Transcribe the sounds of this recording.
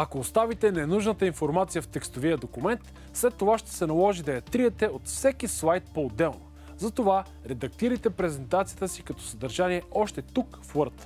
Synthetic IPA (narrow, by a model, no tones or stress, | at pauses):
ɐkoːst̪avit̪ɛnɛnuʒnət̪əinfoɾmat̪sijəft̪ɛkst̪oviəd̪okumɛnt̪ | slɛt̪ːovaʃt̪ɛ̥sɛnɐlˠɔʒid̪ɐjɐt̪ɾiɛt̪ɛot̪fsɛkislˠajt̪̚poːd̪ːɛlˠno | zɐt̪ova | ɾɛd̪ɐk̚t̪iɾəjt̪ɛpɾɛzɛnt̪at̪sijət̪əsikɐt̪ɔ̥sɐd̪ɐɾʒaniɛɔʃt̪ɛt̪ukflˠəɾt̪